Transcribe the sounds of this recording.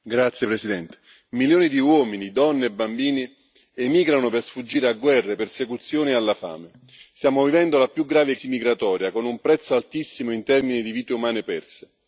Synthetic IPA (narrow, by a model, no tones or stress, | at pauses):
ɡɾat̪sːjepɾesid̪ɛnt̪e̥ | miljoːnid̪iwɔːminid̪ɔnːeːbːambiːni | emiːɡɾanopersfud͡ʒːiːɾeaɡwɛrːepersekut̪sːjoːnialːafa̰ːme | st̪jaːmovivɛnd̪olapjuɡːɾaːvesimiɡɾat̪ɔːɾjakonumpɾɛt̪sːoalt̪isːimoint̪ɛrminid̪iviːt̪eumaːnepɛrse